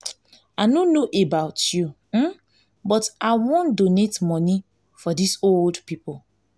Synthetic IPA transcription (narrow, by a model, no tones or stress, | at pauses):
aɪnonoʔebaʊtju | m̩ | bɔtaɪwõndonetmɔni | fɔdisoldpipo